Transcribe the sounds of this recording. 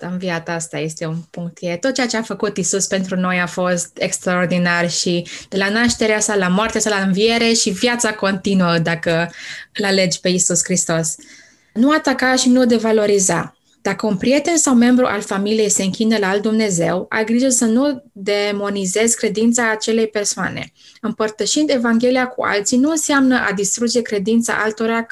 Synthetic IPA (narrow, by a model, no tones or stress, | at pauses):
ɨmviat̪ast̪a̰je̞st̪e̞unpuŋk̚t̪jet̪o̞t̪̚ːt͡ʃeat͡ʃeafəkut̪isuspe̞nt̪ɾuno̞jafo̞st̪ekst̪ɾao̞rd̪inarʃid̪̥e̞lanaʃt̪e̞ɾeasalamoart̪easalaɨnvie̞ɾe̞ʃivjat̪sako̞nt̪inuəd̪akəɨlale̞d͡ʒpe̞isuskɾist̪o̞s | nuat̪akaʃinud̪e̞valo̞ɾiza̰ | d̪̥akəunpɾije̞t̪e̞nsawme̞mbɾuʔa̰lfamilije̞jse̞ɨŋkʲinəlaːld̪umne̞ze̞wa̰lɡɾiʒəsənud̪e̞mo̞nize̞zkɾe̞d̪int̪saːt͡ʃe̞le̞jpe̞rsoa̰ne̞̰ | ɨmpərt̪əʃind̪e̞vaŋɡʲe̞liakṵʔa̰lt̪sinuɨnseamnəʔad̪ist̪ɾud͡ʒe̞kɾe̞d̪int̪sa̰ʔa̰lt̪o̞ɾa